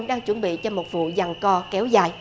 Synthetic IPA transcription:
ŋ͡mɗaː˧ŋt͡ɕwə˧˩nɓḭ˧˨t͡ɕɔ˧mo˨˩t̚vṵ˧˨za˨˩ŋkɔ˧kɛ˨˦wzaː˨˩j

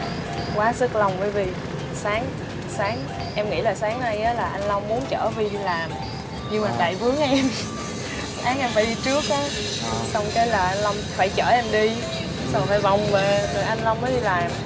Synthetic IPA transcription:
kwaː˨˦sɨ˦˥k̚lɔ˨˩wŋ͡mvəː˨˦jvi˨˩ | saː˨˦ŋ | saː˨˦ŋ | ʔɛ˧mŋḭ˧˥laː˨˩saː˨˦ŋna˧jʔaː˨˦laː˨˩ʔa˧jŋ̟la˧wŋ͡mmu˨˦ənt͡ɕə̰ː˧˩vi˧˩i˧laː˨˩m | ɲɨ˧ŋmaː˨˩t̪a̰ː˧˨jvɨ˨˦əŋʔɛ˧m | sʔaː˨˦ŋʔɛ˧mfaː˧jɗi˧t͡ɕɨ˦˥ək̚ːaː˨˦ | sɔ˧wŋ͡mkaː˨˦jlaː˨˩ʔa˧nla˧wŋ͡mfaː˧˩jt͡ɕəː˧˩ʔa˧jŋɗi˧ | sa˧˨˩faː˧˩jva˨˩wŋ͡mve˨˩lə˨˩ʔa˧jŋ̟la˧wŋ͡mmːəː˨˦jɗi˧laː˩˨˩m

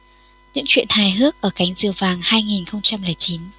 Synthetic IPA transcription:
ɲɨ̰˧˥ŋt͡ɕwḭ˧˨ənhaː˨˩jɦɨ˦˥ək̚ʔəː˧˩ka˨˦jŋ̟zɨ̰˨˩əwvaː˨˩ŋhaː˧jŋi˨˩nxə˧wŋ͡mt͡ɕa˧mlɨ˨˩əjt͡ɕi˨˦n

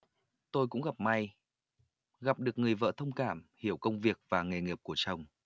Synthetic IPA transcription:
t̪o˧jkʊ̰˧˥ŋ͡mɣa˨˩p̚ma˧j | ɣa˨˩p̚ɗɨ˨˩ək̚ŋɨ˨˩əjvə̰ː˧˨t̪ʰə˧wŋ͡mkaː˧˩mhi˧˩əwkə˧wŋ͡mvi˨˩ək̚vaː˨˩ŋe˨˩ŋi˨˩əp̚ku˧˩ət͡ɕə˨˩wŋ͡m

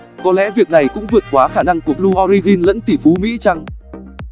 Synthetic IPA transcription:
kɔ˨˦lɛ̰˧˥vi˨˩ək̚na˨˩jkʊ̰˧˥ŋ͡mvɨ˨˩ət̚kwaː˨˦xaː˧˩na˧ŋku˧˩əlu˧ʔɔ˧ɾi˧ɣi˧nlə̰˧˥nt̪i˧˩fu˨˦mḭ˧˥t͡ɕa˧ŋ

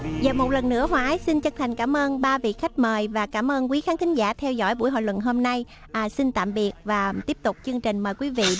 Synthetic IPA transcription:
zəː˨˩mo˨˩t̚lə˨˩nːɨ̰˧˥əhwaː˨˦jsi˧nt͡ɕə˧nt̪ʰa˨˩jŋ̟kaː˧˩mʔəː˧nɓaː˧vḭ˧˨xa˦˥k̟̚məː˨˩jvaː˨˩kaː˧˩mʔəː˧nk̬wi˨˦xaː˨˦nt̪ʰi˨˦ŋ̟zaː˧˩t̪ʰɛ˧wzɔ̰˧˥jɓṵ˧˩əjɦo̰˧˨jlwə̰˧˨nɦo˧mna˧j | ʔsi˧nt̪a̰ː˧˨mɓi˨˩ət̚vaː˨˩t̪i˦˥əp̚t̪ʊ˨˩k͡p̚t͡ɕɨ˧əŋt͡ɕï˨˩ŋ̟məː˨˩jkwi˨˦vḭ˧˨

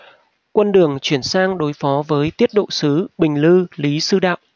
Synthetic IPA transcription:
kwə˧nɗɨ˨˩əŋt͡ɕwi˧˩ənsaː˧ŋɗo˨˦jfɔ˨˦vəː˨˦jt̪i˦˥ət̚ɗo̰˧˨sɨ˨˦ɓï˨˩ŋ̟lɨ˧li˨˦sɨ˧ɗa̰ː˧˨wʔ

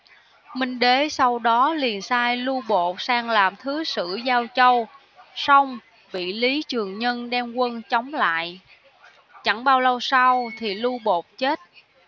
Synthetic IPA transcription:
mï˧ŋ̟ɗe˨˦sa˧wɗɔ˨˦li˨˩ənsaː˧jlu˧ɓo˨˩t̚saː˧ŋlaː˨˩mt̪ʰɨ˨˦sɨ̰˧˥zaː˧wt͡ɕə˧w | sa˧wŋ͡m | ɓḭ˧˨li˨˦t͡ɕɨ˨˩əŋɲə˧nɗɛ˧mkwə˧nt͡ɕɔ˨˦wŋ͡mla̰ː˧˨j | t͡ɕa̰˧˩ŋɓaː˧wlə˧wsa˧wt̪ʰi˨˩lu˧ɓo˨˩t̚t͡ɕe˦˥t̚

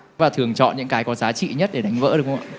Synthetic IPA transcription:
vaː˨˩t̪ʰɨ˨˩əŋt͡ɕɔ̰˧˨nɲɨ̰˧˥ŋkaː˨˦jkɔ˨˦zaː˨˦t͡ɕḭ˧˨ɲə˦˥t̚ɗe˧˩ɗa˨˦jŋ̟və̰ː˧˥ɗɨ˨˩əkʰw

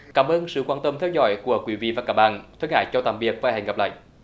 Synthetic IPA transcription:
kaː˧˩˦mʔəː˧nsɨ̰˧˨kwaː˧nt̪ə˧mt̪ʰɛ˧wzɔ̰˧˥˦jku˧˩əkwi˨˦vḭ˧˨vaː˨˩kaː˧˩˥ɓa̰ː˧˨nt̪ʰwə˧ŋha̰ː˧˨jt͡ɕɔ˧t̪a̰ː˧˨mvi˨˩ək̚vaː˨˩hɛ̰˨˩ŋ̟ŋə˨˩p̚la̰ː˧˨jʔ

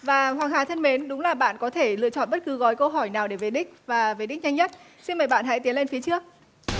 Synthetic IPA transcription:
vaː˨˩ɦwaː˨˩ŋɦaː˨˩t̪ʰə˧nme˨˦nɗʊ˨˦ŋ͡mlaː˨˩ɓa̰ː˧˨nkɔ˨˦t̪ʰe˧˩lɨ̰˧˨ət͡ɕɔ̰˧˨nɓə˦˥t̚kɨ˨˦ɣɔ˨˦jkə˧wɦɔ˧˩jnaː˨˩wɗe˧˩ve˨˩ɗï˦˥k̟̚vaː˨˩ve˨˩ɗï˦˥k̟̚ɲa˧jŋɲə˦˥t̚ | si˧nməː˨˩jɓa̰ː˧˨nɦa̰˧˥jt̪i˨˦ənle˧nfi˨˦t͡ɕɨ˦˥ək̚

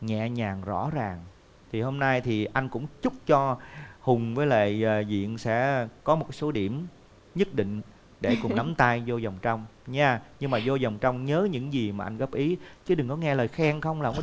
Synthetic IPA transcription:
ɲɛ̰˧˨ɲaː˨˩ŋzɔ̰˧˥zaː˨˩ŋ | t̪ʰi˨˩ho˧mna˧jt̪ʰi˨˩ʔa˧jŋ̟kʊ̰˧˥ŋ͡mt͡ɕʊ˦˥k͡p̚t͡ɕɔ˧hʊ˨˩ŋ͡mvəː˨˦jlə̰ː˧˨˩zḭ˧˨ənsɛ̰˧˥kɔ˨˦mo˨˩kso˨˦ɗi˧˩əm | ɲə˦˥t̚ɗḭ˧˨ŋ̟ | ɗe˧˩kʊ˨˩ŋ͡mna˨˦mt̪aː˧jzo˧zɔ˨˩wŋ͡mt͡ɕɔ˧wŋ͡mɲaː˧ɲɨ˧ŋmaː˨˩zo˧zɔ˨˩wŋ͡mt͡ɕɔ˧wŋ͡mɲəː˨˦ɲɨ̰˧˥ŋzi˨˩maː˨˩ʔa˧ŋɣəː˦˥p̚ʔi˨˦t͡ɕɨ˨˦ɗɨ˨˩ŋkɔ˨˦ŋɛ˧ləː˨˩jxɛː˧ŋxə˧wŋ͡mlaː˨˩˧

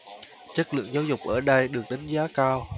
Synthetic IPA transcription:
t͡ɕə˦˥t̚lɨ̰˧˨əŋzaː˨˦wzʊ˨˩k͡p̚ʔəː˧˩ɗə˧jɗɨ˨˩ək̚ɗa˨˦ŋ̟zaː˨˦kaː˧w

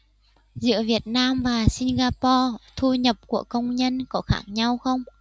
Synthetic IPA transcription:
zɨ̰˧˥əvi˨˩ət̚naː˧mvaː˨˩si˧nɣaː˧pɔ˧t̪ʰu˧ɲə˨˩p̚ku˧˩əkə˧wŋ͡mɲə˧nkɔ˨˦xaː˧˩ŋɲa˧wxə˧wŋ͡m

